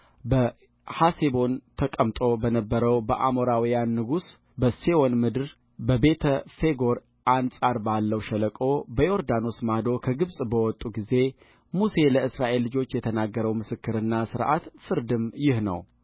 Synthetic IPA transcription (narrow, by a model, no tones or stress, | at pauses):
bə | hasebo̞nt̪ʰəkʼəmt̪ʼo̞bənəbːəɾəwbəʔamoɾawijanːɨɡus | bəsewonmɨd̪ɨɾ | bəbe̞t̪ʰəfe̞ɡo̞ɾ | ʔansʼaɾbalːəwʃɛləkʼo̞bəjo̞ɾd̪ano̞smad̪o̞kʰəɡɨβsʼbəwɔt̪ʼːuɡize̞ | muse̞ləɨsɾaʔe̞lːɨd͡ʒo̞t͡ʃːjɛt̪ʰənaɡːəɾəwmɨsɨkːɨɾɨnːasɨɾʔa̰t̪fɨɾd̪ɨmjɪhnə̰w